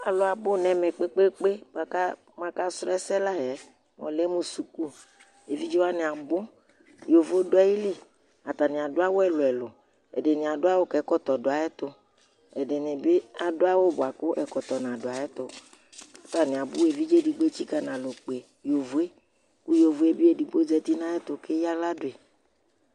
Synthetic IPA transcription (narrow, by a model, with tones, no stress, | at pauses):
a˨lo˨a˨bo˦nɛ̃˨me˨k͡pe˦k͡pe˦k͡pe˦ba˦ka˦ | m˦ã˦ka˦sɾɛ˦sɛ˦la˦jɛ˦ | mɔ̰̃˨lɛ˦mũ˦su˨ku˦ | e˨vi˦d͡ʒi˦wa˦nẽ˨a˨bʊ˦ | jo˨vo˦do˦ɛ˦ji˦le˦ | a˨t̪a˨nĩ˨a˨do˦a˦wo˦ɛ˨lo˨ɛ˨lʊ˨ | ḛ˨ɖe˨nĩ˨a˨do˦a˦wo˦kɛ˨˦kɔ˦t̪ɔ˨do˨a˨ɛ˦t̪o˦ | ɛ˨ɖɪ˨nɪ̃˨be˦a˨do˦a˦wo˦bʊ˨a˨kʊ˦ʔɛ˨kɔ˨t̪ɔ˨nã˨dʊ˨a˨ɛ˦t̪ʊ˨ | a˨t̪a˨nɪ̃˨a˨bʊ˦e˨vi˦d͡ʒe˦di˨ɡ͡bo˦e˦t͡ʃi˦ka˨nã˨lo˨k͡pe˨ | jo˨vu˨˦e˦ | ku˦jo˨vu˨e˦bi˦e˨di˨ɡ͡bo˦d͡ʒɛ˦t̪i˦nã˦ɛ˦t̪ʊ˨ke˦ja˦la˦dʊ˨e˨